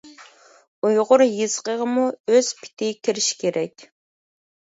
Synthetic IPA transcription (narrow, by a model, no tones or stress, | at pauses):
ujʁʊɾjɨz̥qəʁəmuøz̥pʰi̥t̪ʰɪkʲʰiɾɪʃi̥kʲʰeɾʔɛkʲ